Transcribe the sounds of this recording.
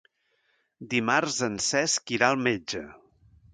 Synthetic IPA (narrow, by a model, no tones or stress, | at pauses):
d̪imarzənsɛskiɾaəlˠmed͡ʒə